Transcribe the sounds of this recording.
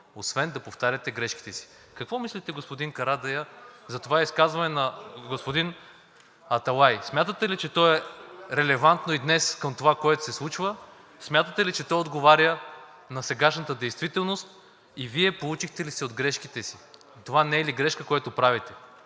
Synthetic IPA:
osvɛnd̪ɐpoft̪aɾʲɐt̪ɛɡɾɛʃki̥t̪ɛsi̥ | kɐkvɔmislit̪ɛɡospod̪inkɐɾad̪ɐjəzɐt̪ovaiskazvɐnɛnɐɡospod̪in | ɐt̪ɐlˠajsmʲjat̪ət̪ɛlit͡ʃɛt̪ɔɛɾɛlɛvant̪noid̪nɛskəmt̪ovakoɛt̪o̥sɛslˠut͡ʃvə | smʲjat̪ət̪ɛlit͡ʃɛt̪ɔjod̪ɡovaɾʲjə | nɐsɛɡaʃnət̪əd̪ɛjst̪vit̪ɛlˠnost̪ | iviɛpolˠut͡ʃixt̪ɛlisɛod̪ɡɾɛʃkit̪ɛsi | t̪ovanɛɛliɡɾɛʃkəkojat̪opɾavit̪ɛ

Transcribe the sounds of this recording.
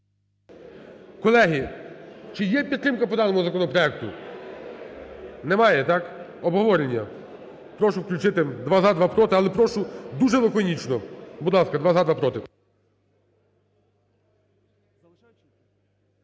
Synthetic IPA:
kɔlˠɛɦʲit͡ʃɪjɛpʲid̪t̪ːɾɪmkɐpɔd̪ɑnɔmʊzɐkɔnɔpɾɔɛk̚t̪ʊ | nɛmɑjɛt̪ɑkɔbɦɔʋɔɾʲenʲːɐ | pɾɔʃʊwklʲʊt͡ʃɪt̪ɪd̪ʋazad̪ʋapɾɔt̪ɪɐlˠɛpɾɔʃʊd̪uʒɛlˠɔkɔnʲit͡ʃnɔbʊd̪lˠɑskɐd̪ʋazad̪ʋapɾɔt̪ɪ

